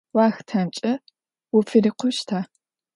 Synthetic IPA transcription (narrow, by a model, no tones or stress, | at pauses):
waːxtʰant͡ʃʼɐ | wʊfʰɨɾiqʷʊʃtʰaː